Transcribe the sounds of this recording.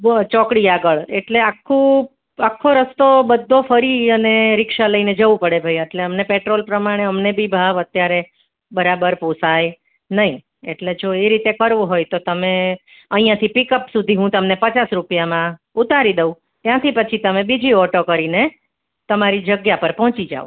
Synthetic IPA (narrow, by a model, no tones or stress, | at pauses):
t͡ʃɔkɽiaɡəɭeʈleakʰːũ | akʰːoɾəst̪obəd̪ʱːofʰəɾiəneɾɪkʃaləined͡ʒəʋũpəɽebʱaijeʈleəmnepeʈɾolpɾəmaɽ̃eəmnebʱibʱaʋət̪jaɾe | bəɾabəɾpusaj | nəɦĩ | eʈled͡ʒoeɾit̪ekəɾʋoɦojt̪ot̪əme | əɦĩjãt̪ʰipikəpsud̪ʱiɦũt̪əmnepət͡ʃasɾupijamã | ut̪aɾid̪əũ | t̪jãt̪ʰipət͡ʃʰit̪əmẽbid͡ʒiɔʈokəɾine | t̪əmaɾid͡ʒəɡjapəɾpɔɦt͡ʃid͡ʒa̰ṵ̃